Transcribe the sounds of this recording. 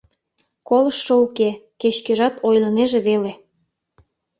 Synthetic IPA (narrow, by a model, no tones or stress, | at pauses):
koləʃːoukeket͡ɕkeʒɑt̪ojləneʒeβele